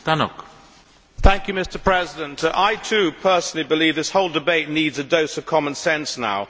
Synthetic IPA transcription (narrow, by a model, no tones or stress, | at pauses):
t̪anɔ̰k | θæ̃ŋkjʉmɪstəpʰɹ̥ɛzɪdə̃ntʰʔaɪtʰʉpʰɜˑ˞sn̩l̩ˠibɨlivðɪshoʊlˠdɨbeɪtⁿnidzɨdoʊsʌv̥kʰɑmə̃nsɛ̃nsna̰ʊ